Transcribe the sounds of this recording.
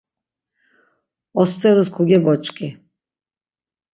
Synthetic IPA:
ɔst̪t͡s̪ʼɛɾuskʰuɡɛbɔt͡ʃʼkʼi

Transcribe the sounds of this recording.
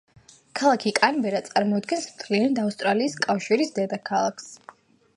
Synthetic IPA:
kʰalˠakʰikʼanbɛɾat̪sʼaɾmɔad̪̚ɡɛnsmt̪ʰliant̪afst̪ʼɾaliːskʼafʃiɾisd̪ɛd̪akʰalˠakʰs

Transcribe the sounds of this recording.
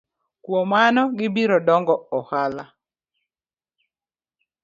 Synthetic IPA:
kwomanɔɡɪbiɾɔdɔŋɡɔɔhala

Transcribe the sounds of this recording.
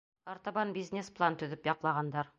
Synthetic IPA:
ɑɾt̪ɑβɑnbʲizʲnʲesplˠant̪ɵ̆ðɘpjɒqlˠɑʁɑnd̪ɑɾ

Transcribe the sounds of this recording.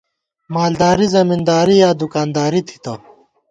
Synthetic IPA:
maːld̪aːɾizɐmind̪aːɾijaːd̪ukaːnd̪aːɾit̪ʰi̥t̪ɐ̰

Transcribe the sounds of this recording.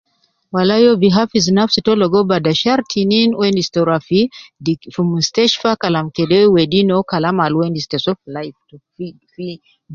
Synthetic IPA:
walajɔbiɦafizinafsitɔlɔɡɔbadaʃaɾtʰininwɛndistɔɾafidifumustɛʃfakalamkɛdɛwɛdinɔkalamalwɛndistɛsɔflajft | i | fi

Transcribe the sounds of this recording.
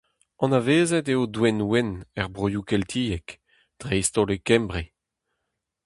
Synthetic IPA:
ɑ̃naveːzɛteodwɛnwɛnɛʁbʁojukɛlt̪ʰiːɛk | d̥ʁeist̪olekɛmbʁe

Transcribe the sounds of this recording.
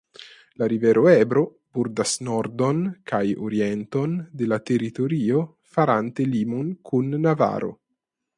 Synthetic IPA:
laɾivɛɾʔoɛbɾo | buɾd̪asnɔɾd̪onkʰajoɾiɛnt̪ond̪elat̪erit̪oɾio | faɾant̪elimunkʰunːava̰ɾʔo̰

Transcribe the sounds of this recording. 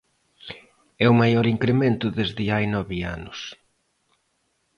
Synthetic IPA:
ɛʊmajɔɾiŋkɾement̪ʊðezðɪajnɔβɪanʊs

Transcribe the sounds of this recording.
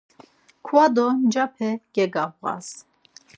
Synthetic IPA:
kʰwad̪ɔnd͡ʒapʰɛɡ̥ɛɡavʁa̰s

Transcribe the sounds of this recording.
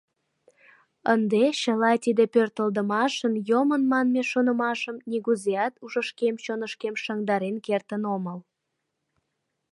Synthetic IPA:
ənd̪eɕəlɑt̪id̪epørt̪əld̪əmɑʃənjomənmɑnmeʃonəmɑʃəmnʲiɣuzeɑt̪uʒəʃkemt͡ɕonəʃkemʃɑŋd̪ɑɾenkert̪ənoməl

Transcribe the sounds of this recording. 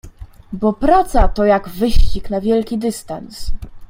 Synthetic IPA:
bɔpɾat̪sat̪ɔjaɡvɘɕt͡ɕiknavʲjɛlkʲid̪ɘst̪ans

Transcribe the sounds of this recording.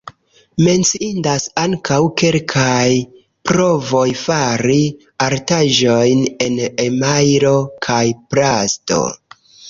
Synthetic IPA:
me̞nt͡siindasaŋkʰawke̞lkʰaj | pɾo̞vo̞jfaɾi | aɾtaʒo̞jne̞nemajɾo̞kʰajpɾasto̞̰

